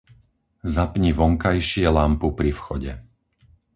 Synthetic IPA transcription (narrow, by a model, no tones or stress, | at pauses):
zapɲiʋɔŋkajʃɪɛlampupɾifxɔɟɛ